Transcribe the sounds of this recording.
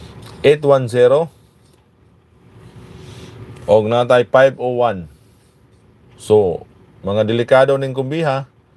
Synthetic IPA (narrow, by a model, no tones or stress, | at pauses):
ɛt̪wansɛɾɔ | ɔk̚nat̪aipaipowan | so | maŋadilikadɔniŋkumbiɦa